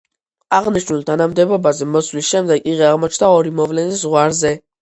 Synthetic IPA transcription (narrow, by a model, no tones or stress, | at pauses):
aʁniʃnulˠt̪ʰanamd̪ɛbɔbazɛmɔslisʃɛmd̪ɛɡiʁɛaʁmɔt͡ʃʰnaɔɾimɔvlɛniszʁwaɾzɛ